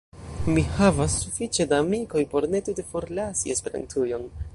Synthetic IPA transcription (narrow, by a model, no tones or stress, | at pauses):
mihavasːufit͡ʃe̞daːmiko̞jpo̞ɾne̞tute̞fo̞ɾlasḭe̞spe̞ɾa̰ntʰujo̞n